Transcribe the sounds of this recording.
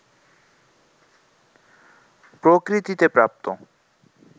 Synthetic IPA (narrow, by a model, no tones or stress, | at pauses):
pɾokɾit̪it̪epɾap̚t̪o